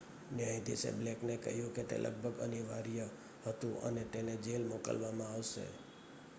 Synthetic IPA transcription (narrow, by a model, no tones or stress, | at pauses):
nɪaĩd̪isḛbleknekəɦjũket̪ḛlʔə̰ɡ̚bʱəɡəniʋaɾjə | hət̪ũʔə̰net̪ened͡ʒelmokə̰lʋamãaʋʃḛ